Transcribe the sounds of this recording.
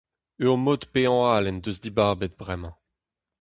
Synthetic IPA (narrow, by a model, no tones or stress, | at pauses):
yʁmod̪peɑ̃aːlɛnd̪øzd̪ibaʁbet̪̚bʁɛmɑ̃